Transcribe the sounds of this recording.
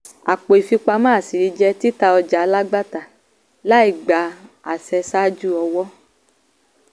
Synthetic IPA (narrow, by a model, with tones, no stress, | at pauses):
a˨k͡po˨i˨fi˧k͡pa˧mãː˦˨si˨ɾi˧d͡ʒɛ˧ti˦ta˧ɔ˧d͡ʒa˨˧la˦ɡ͡ba˦ta˨ | la˦i˦˨ɡ͡ba˨˦ | a˨sɛ˧sa˦d͡ʒu˦ɔ˧wɔ˦